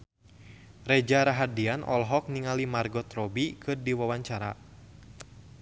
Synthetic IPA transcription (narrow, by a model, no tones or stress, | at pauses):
rɛd͡ʒaɾaɦadianʔɔ̰lɦɔk̚niŋalimarɡɔt̪rɔbikʰɨrdiwawaɲt͡ʃaɾa̰